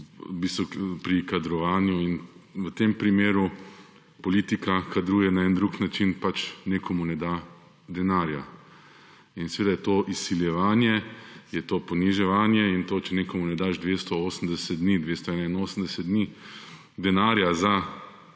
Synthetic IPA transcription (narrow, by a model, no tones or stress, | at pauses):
bist̪ɔpɾikad̪ɾɔʋaːnjuinʋət̪empɾimeːɾu | pɔliːt̪ikakad̪ɾuːjɛnaɛnd̪ɾuːknat͡ʃinpat͡ʃnekʰomunɛd̪a | d̪ɛnaːɾja | insɛʋeːd̪ajɛt̪oːʔisiljɛʋaːnjɛjɛt̪opɔniʒɛʋaːnjɛint̪ot͡ʃɛnekomunɛd̪aʒd̪ʋeːst̪ɔoːsən̩d̪ɛsɛt̪̚d̪niːd̪ʋeːst̪ɔɛnainoːsən̩d̪ɛsɛt̪d̪ni | d̪ɛnaːɾjaza